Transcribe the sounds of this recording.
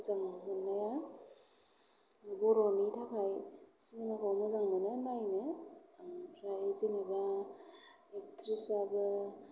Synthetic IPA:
zaŋamɯnːaja | bɔɾɔnitʰakʰajsinemakʰawmɯzaŋmɯnɯnajnɯ | ɾajzinaba | ek̚tʰɾisabɯ

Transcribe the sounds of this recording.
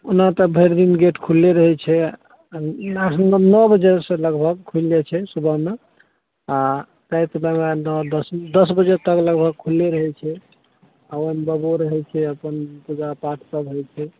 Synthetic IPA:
unat̪əbʱeɾd̪inɡeʈkʰulːeɾəɦɛt͡ʃʰɛ | asnɔbəd͡ʒesẽləɡbʱəɡ̚kʰuld͡ʒɛt͡ʃʰɛsubʱəme | a | t̪əjt̪əmemenɔd̪əsd̪əsbəd͡ʒet̪əkləɡbʱəɡ̚kʰulːeɾəɦɛt͡ʃʰɛ | aomebəboɾəɦɛt͡ʃʰɛəpənpud͡ʒapaʈʰsəbɦɛjt͡ʃʰɛ

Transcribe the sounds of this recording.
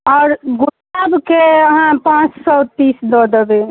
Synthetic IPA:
ɔːɾɡʊ | aːbkeəɦãpãːt͡ʃsɔt̪iːsd̪ɔːd̪əbe

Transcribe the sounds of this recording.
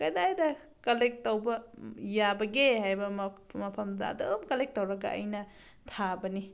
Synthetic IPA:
kɐjdajdɐ | kɐlek̚tɐwbɐjabɐɡehajbɐmmɐpʰɐmdɐ̰ɐ̰domkɐlek̚tɐwɾɐɡɐ̰ɐ̰jnɐ | tʰabɐni

